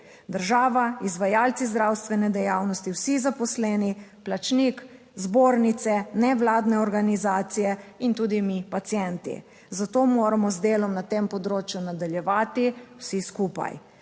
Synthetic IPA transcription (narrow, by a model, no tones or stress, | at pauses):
d̪əɾʒaːʋaizʋajaːlt̪sizd̪ɾawst̪ʋɛnɛd̪ɛjaːwnɔst̪iwsizapɔslɛːniplat͡ʃnik | zboːɾnit̪sɛnɛʋlaːd̪nɛɔɾɡanizaːt̪sijɛint̪uːd̪imipat̪sjɛnt̪ḭ | zat̪oːmoːɾamɔzd̪eːlɔmnat̪eːmpɔd̪ɾoːt͡ʃjunad̪aljɛʋaːt̪iwsiskuːpa̰j